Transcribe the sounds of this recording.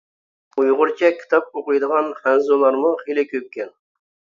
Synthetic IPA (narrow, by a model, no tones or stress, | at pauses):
ujʁʊɾt͡ʃʰɛkʲʰːi̥t̪ʰɑp̚oqɨjd̪əʁɑnχænzolˠɑɾmʊχelˠɪkʲʰøp̚kʲɛn